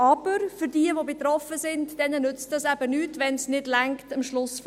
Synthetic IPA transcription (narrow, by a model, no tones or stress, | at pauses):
ɑb̥əɾfʏɾdiəʋobet̪ɾɔfəsɪndd̥ɛnənʏt͡stdɑsæb̥ənyːtʋɛnsnɪdlæŋktəmʃlʊsf